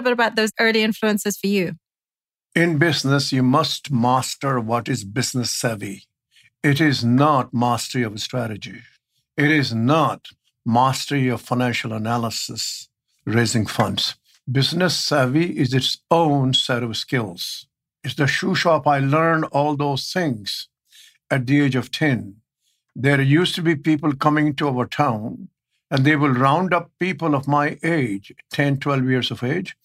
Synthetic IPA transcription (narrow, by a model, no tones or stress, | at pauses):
bɪɾəbaʊt̪̚ðoʊzɜ˞lˠiɪ̃ɱfluə̃nsɨz̥fə˞jʉ | ɪ̃nbɪznɨsjumʌstmæstə˞wɔɾɪzbɪznɨsɛvi | ɪɾɪznət̚mæstəɹiʌvstɹæɾɨd͡ʒi | ɪɾɪznət | mæstəɹiʌv̥faɪ̃næ̃nʃəlˠənælˠəsɪs | ɹeɪzɪ̃ŋfʌ̃nds | bɪznɨsəviʔɪzɨʈsõʊ̃nsɛɾskɪlˠz̥ | ɪtsd̪əʃuʃɑpaɪlɜ̃ɾnɔːlˠd̪oːz̥t̪ʰɪ̃ŋz̥ | æʈ̚d̪ieːd͡ʒɔʋtʰɛ̃n | d̪eɾjuːstubipiːpəl̩ˠkʌ̃mɪ̃ŋʈuaʋəɾʈʰãʊ̃n | ɨ̃nd̪eːwɪlɾãʊ̃nɖʌpːiːpəlɔvmaɪʔeːd͡ʒtʰɛ̃ntʰwɛlˠvjiɾzɔveːd͡ʒ